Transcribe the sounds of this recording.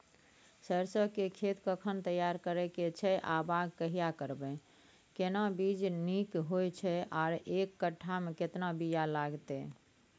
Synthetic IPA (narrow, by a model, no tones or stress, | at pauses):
səɾsəkekʰet̪kəkʰənt̪əjaɾkəɾɛket͡ʃʰɛʔabaɡkəɦijakəɾbɛ | kenabid͡ʒnikɦojt͡ʃʰɛʔaɾekːəʈʰːameket̪nabijalaɡt̪ɛ